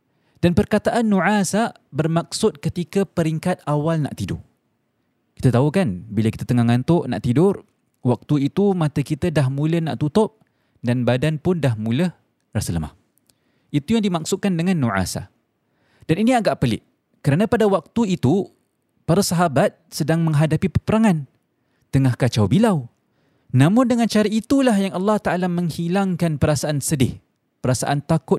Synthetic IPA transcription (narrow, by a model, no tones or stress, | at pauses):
d̥anpərkat̪aʔanːuʕasa | bərmak̚sʊt̪̚kət̪ikapəɾiŋkat̪̚awalna̰ʔt̪idʊ̰r | ki̥t̪at̪aukanbilaki̥t̪at̪əŋahŋant̪ʊʔna̰ʔt̪idʊr | wak̚t̪uit̪umãt̪akit̪adaɦmũləna̰ʔt̪ut̪ʊp̚ | danbadanpʊndahmũləh | rasələma̰h | ʔit̪ujaŋdimak̚sʊkandəŋãnːuʕa̰sa̰ | d̥aniniaɡaʔpəlɪ̰ʔ | kəɾanapadawak̚t̪uit̪u | paɾasaɦabat̪̚sədaŋməŋɦadapipəpəɾaŋan | t̪əŋahkat͡ʃawbilaw | nãmʊndəŋant͡ʃaɾait̪ulaɦjaŋalːɑht̪aʔalamə̃ŋhilaŋkanpəɾasaʔansədɪh | pəɾasaʔant̪akʊ